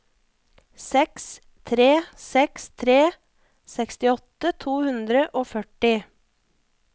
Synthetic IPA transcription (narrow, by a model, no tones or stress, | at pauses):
sɛks | t̪ʰɾeːsɛkst̪ʰɾeː | sɛkst̪ɪɔt̪ət̪ʰuːhʉnd̪ɾəʔoːfœʈɪ